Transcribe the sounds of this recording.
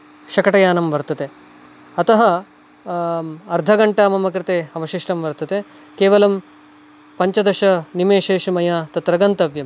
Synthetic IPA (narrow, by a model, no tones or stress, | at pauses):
ʃɐkɐʈɐjaːnɐmʋɐɾt̪ɐt̪e | ɐt̪ɐɦɐ | ɐɾd̪ʱɐɡɐɳʈaːmɐmɐkɾɪt̪eːɐʋɐʃiʂʈɐmʋɐɾt̪ɐt̪e | keːʋɐlɐm | pɐɲt͡ʃɐd̪ɐʃɐnimeːʃeːʂɐmɐjaːt̪ɐt̪ɾɐɡɐnt̪ɐʋjɐm